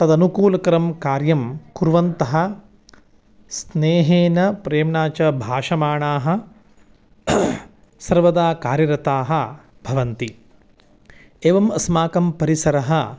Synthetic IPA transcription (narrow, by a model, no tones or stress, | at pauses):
t̪ɐd̪ɐnukuːlɐkɐɾɐmkaːɾjɐmkuɾʋɐnt̪ɐɦɐ̆ | sneːɦeːnɐpɾeːmɳaːt͡ʃɐbʱaːʂɐmaːɳaːɦɐ̆ | sɐɾʋɐd̪aːkaːɾjɐɾɐt̪aːɦɐ̆ | b̥ʱɐʋɐnt̪i | eːʋɐmɐsmaːkɐmpɐɾisɐɾɐɦɐ̆